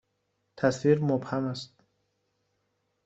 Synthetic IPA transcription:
t̪ʰasviɾmubhamast̪̚

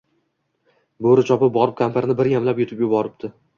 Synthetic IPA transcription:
boɾɪt͡ʃʰɒpɪp̚bɒɾɪp̚kʰʲampʰaɾnɪbɪɾjamlapjʊt̪ɪpjʊbɒɾɪp̚t̪ʰɪ

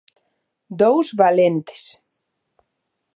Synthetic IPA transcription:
d̪owzβalent̪e̥s

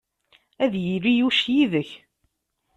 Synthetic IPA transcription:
æðjiɾijuʃjiðəç

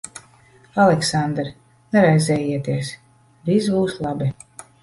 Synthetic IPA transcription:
alˠɛksand̪ɾ | nɛɾajzɛːjiɛt̪iɛs | vizbuːslˠabʲi

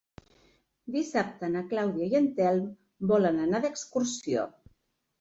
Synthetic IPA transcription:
d̪isap̚t̪ənaklawðiajənt̪ɛlˠm | bɔlənənaðəkskuɾsio̰

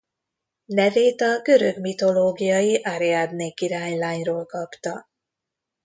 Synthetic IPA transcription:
nɛveːt̪ɒɡø̞ɾøɡmit̪o̞loːɡijɒjiʔaɾiad̪neːkiɾaːɲlaːɲroːlkɒpt̪ɒ

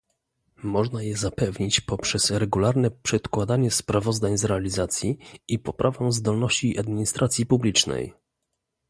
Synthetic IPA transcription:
mɔʐnajɛzapɛvɲit͡ɕpɔpʂɛsɾɛɡulaɾnɛpʂɛt̪kwad̪aɲɛspɾavɔzd̪aɲzɾɛalʲizat̪sʲjiipɔpɾʔavɛ̃zd̪ɔlnɔɕt͡ɕiʔad̪mʲiɲist̪ɾʔat̪sʲjipublʲit͡ʂnɛ̰j

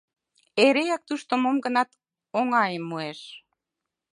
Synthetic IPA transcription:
eɾejɑk̚t̪uʃt̪omomɡə̆nɑt̪ | oŋɑjemːueʃ

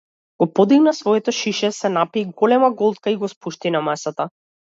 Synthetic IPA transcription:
ɡ̥ɔpɔd̪iɡnasvɔɛt̪ɔʃiʃɛsɛnapiɡɔlɛmaɡɔlˠt̪̚kaiɡɔspuʃt̪inamasat̪a

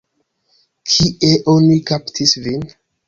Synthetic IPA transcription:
kʰiʔeʔonikaptʰisvin

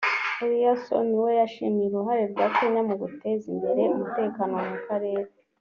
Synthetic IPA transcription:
eɾijaso̰niwe̞jaʃimijɾuɦaɾe̞ɾɡaːke̞ɲamuɡute̞zimbe̞ɾe̞umute̞ːkaːno̞mukaɾe̞ːɾe

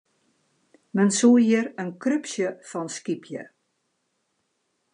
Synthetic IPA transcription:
mənsuːjiəɾənkrøpsjəfɔnskipʰjə̰

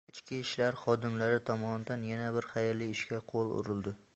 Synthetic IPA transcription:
ɪt͡ʃkʲɪɪʃlaɾχɒd̪ɪmlaɾɪt̪ʰɒmɒnɪd̪anjanabɪɾχajɾlɪɪʃkʲaqʰolˠʊ̰ɾɪlˠd̪ɪ

